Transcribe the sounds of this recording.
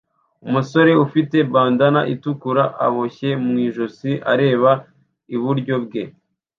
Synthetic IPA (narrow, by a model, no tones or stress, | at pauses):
umuso̞ɾe̞ufite̞baːndanaʔitukuɾaʔa̰βo̞çe̞mŋiːʒosiʔa̰ɾe̞ːβa | iβuɾɟo̞bɡe̞